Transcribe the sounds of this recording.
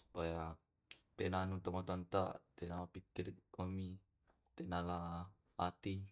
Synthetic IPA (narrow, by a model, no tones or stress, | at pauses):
su̥paja | t̪enanut̪əŋɔt̪ɔnt̪aʔt̪enalapikɪromi | t̪enala | at̪i